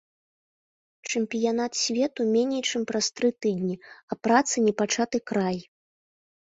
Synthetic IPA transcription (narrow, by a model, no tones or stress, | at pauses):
t͡ʂɨmpʲijanat̪sʲvʲɛt̪umʲenʲɛjt͡ʂɨmpɾast̪ɾɨt̪ɨd̪ʲnʲiɐpɾat̪sɨnʲɛpat͡ʂat̪ɨkɾaj